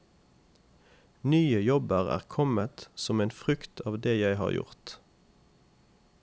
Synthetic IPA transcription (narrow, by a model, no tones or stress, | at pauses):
nyːəjɔbəʁæ̰ːʁkʰɔmət̪sɔmeːnfʁʏkt̪ʰɑːʋd̪eːjæɪhɑ̰ːʁjʊ̰ʁt̪